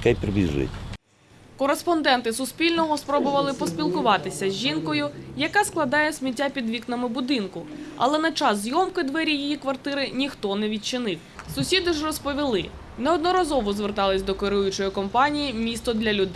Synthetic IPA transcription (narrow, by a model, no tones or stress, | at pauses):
kɛjpɾebʲizʊ̰jḛtʲ | kɔɾespɔnd̪ɛnt̪ɪsʊspʲilʲnɔɦɔspɾɔbʊʋɐlˠɪpɔsʲpʲilˠkʊʋɑt̪ɪsʲɐzʲʒinkɔjʊjɐkasklˠɐd̪ɑjɛsʲmʲit̬ʲːapʲid̪ʋʲiknɐmɪbʊd̪ɪnkʊɐ̰lˠɛnɐt͡ʃɑszjɔmkɪd̪ʋɛɾʲijijikʋɐrt̪ɪɾɪnʲixt̪ɔnɛʋʲid̪̚t͡ʃɪnɪwsʊsʲid̪ɪʒrɔspɔʋʲilˠɪ | nɛɔd̪nɔɾɐzɔʋɔzʋert̪ɑlˠɪsʲd̪ɔkeɾujʊt͡ʃɔjikɔmpɑnʲijimʲist̪ɔd̪lʲɐlʲʊd̪